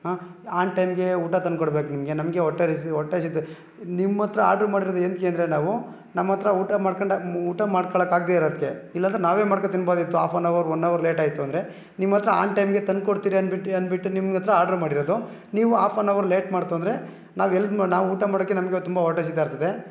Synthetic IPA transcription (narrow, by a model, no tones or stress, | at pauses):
ɦaːaːnʈɐjmɡe̞uːʈɐt̪ɐnkoɽbe̞ːkunimɐɡe̞nɐmɡeɔʈːeɾɐsɔʈːesit̪ːe | nimːɐt̪ːɾɐa̰ːɾɖɾmaːɽiɾod̪uend̪keɐnd̪ɾenaːʋu | nɐmːɐt̪ɾɐuːʈɐmaːɽkɐɳɖɐuːʈɐmaːɖkɔɭɐkaːɡ̚d̪eːiɾɐd̪̚kːe̞ilːɐnt̪ɾɐnaːʋe̞ːmaːɽket̪inːboːd̪it̪ːua̰ːpʰoːnɐʋɐɾonːɐʋɐɾle̞ːʈaːjit̪ːuɐnd̪ɐɾe̞ | nimːɐt̪ɾɐa̰ːnʈɐjmɡe̞t̪ɐnkoɽt̪iːɾiɐniɐnbiʈːunimɡɐt̪ːɐɾɐaːɾɖɐɾmaːɽiɾod̪u | niːʋuaːpʰonɐʋɐɾleːʈmaːɽt̪uɐnd̪ɾe̞ | naːʋɛlːɐnaːʋuuːʈɐmaːɽɐkːenɐmɡet̪umbɐɔʈːes̬it̪ːeiɾt̪ɐd̪e̞